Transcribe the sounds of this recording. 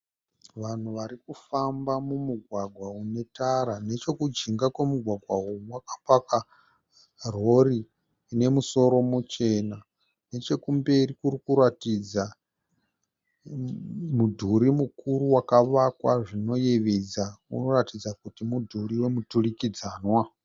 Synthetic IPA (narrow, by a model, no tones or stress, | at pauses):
ʋan̤uʋaɾikufambamumuɡʱwaɡʱwaune̞taɾane̞t͡ʃo̞kud͡ʒiŋɡakwe̞muɡʱwaɡʱwaowakapaka | r̤o̞ri | ne̞muso̞ɾo̞mut͡ʃe̞na | ne̞t͡ʃe̞kumbe̞rikurikuɾatid͡za | mudʱuɾimukuɾuwakaʋakwaʐino̞je̞ʋed͡zaṵno̞ratid͡zakutimudʱuriwe̞muturikid͡zaːnwa